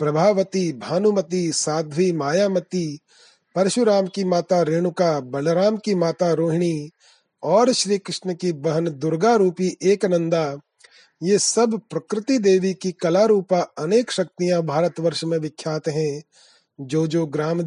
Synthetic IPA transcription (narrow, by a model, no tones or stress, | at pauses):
pɾɐbʱaːʋət̪ibʱaːnumət̪isaːd̪ʱʋimaːjaːmɐt̪i | pɐɾʃʊɾaːmkimaːt̪aɾeːɽ̃ʊkabɐlɾaːmkimaːt̪aɾoːɦɪɳ̃i | ɔːɾʃɾiːkɾɪʃnəkibɐɦənd̪ʊɾɡaɾuːpiʔeːknə̃nd̪a | jesɐbʱpɾɐkɾɪt̪id̪eːʋikikɐlaɾuːpaɐneːkʃɐk̚t̪ijãbʱaːɾət̪ʋɐɾʃmẽʋɪkʰːjaːt̪ɦɛ̃ | d͡ʒoːd͡ʒoːɡɾaːm